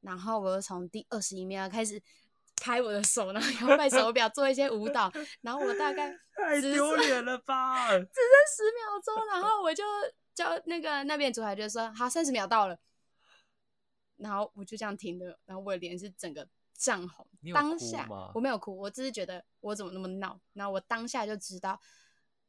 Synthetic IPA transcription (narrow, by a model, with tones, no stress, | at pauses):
na˧˥nxo˥˩ʊwɔ˨˩jo˥˩t͡sʰo˧˦ŋt̪i˥˧ʔə˥˩ʂɻ̩˧i˥mjɑ˨˦ʊkʰa˥ɪʂ̬ɻ̩˨˩ | kʰa˥ɪwɔ˨˩d̪ə˦ʂo˨˩ʊna˧˦o˥˧jɑ˥˧pa˥˩ɪʂʊwɔ˧pjʊt͡swɔ˥˧i˥˩ɕ̬jɛ˥u˧˥t̪ɑ˨˩ʊna˧nxo˥˩ʊwɔ˨˩t̪a˥˧ka˥˩ɪ˥˧˩jo˧˦ʊlɛ˨˦nlə˧ba˨t͡sɻ̩˨˦sə˥ʂɻ̩˧˦mjɑ˨˧˥ʊt͡so˥ʊna˧˥nxo˥˩ʊwɔ˨˩t͡ɕjo˥˧ʊ | t͡ɕjɑ˥˨˩ʊna˥˩ɡə˩na˥˧p̬jɛ˥˩nʈ͡ʂu˨˩a˨˥t͡ɕɥɛ˧˥d̪ə˧˩ʂɔ˥ɦa˨˩sa˥nʂ̬ɻ̩˧˥mjɑ˨˩ʊt̪ɑ˥˩ʊlə˩ | na˧˥nxo˥˩ʊwɔ˨˩t͡ɕjo˥ʊʈ͡ʂɤ˧˥jɑ˥˩ŋt̪ʰi˧˥ŋd̪ə˧˨na˧˥xo˥˩wɔ˧˩˨ljɛ˧˦nʂɻ̩˥˩ʈ͡ʂə˨˩ŋɡə˦ | ʈ͡ʂɑ˥˩ŋxo̰˨˧˦ŋt̪ɑ˦ŋɕja̰˥˩wɔ˨˩me˧˥ɪjo˨˩ʊkʰu˥˩wɔ˨˩t͡s̩˥˩ʂ̩˥˩t͡ɕɥɛ˧˥d̪ə˧ | wɔ˧˦t͡sə˨˩mə˦na˥˩mə˨˩nɑ˨˩˦ʊna˧˥xo˥˩wɔ˨˩t̪ɑ˦˥ŋɕja˥˧t͡ɕjo˥˩ʊʈ͡ʂɻ̩˥t̪ɑ˥˩ʊ